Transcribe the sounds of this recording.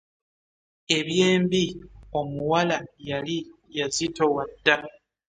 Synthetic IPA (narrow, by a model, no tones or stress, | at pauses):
e̞βje̞ːmbio̞muwalajali | jazitowadːa